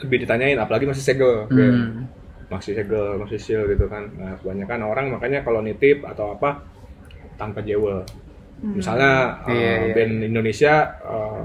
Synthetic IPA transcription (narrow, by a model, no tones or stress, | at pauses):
ləbɪhdit̪aɲaɪnapalaɡimaks̬iseɡəlk | maksiseɡəlmasisɪlɡit̪ukanəkəbaɲakanoɾaŋmakaɲakalonit̪ɪfa̰t̪awapa | t̪anpad͡ʒewəl | misalɲaəbɛnindonesiaə